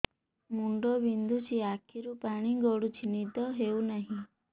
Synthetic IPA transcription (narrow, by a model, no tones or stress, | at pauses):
muɳɖɔbind̪ʱut͡ʃʰiakʰiɾupaɽ̃iɡɔɽut͡ʃʰinit̪ɔɦewnaɦĩ